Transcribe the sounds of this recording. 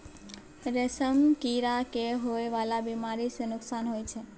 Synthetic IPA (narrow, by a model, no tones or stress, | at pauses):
ɾesəmkiɾakeɦoeʋalabimaɾisẽnuksanɦojt͡ʃʰɛ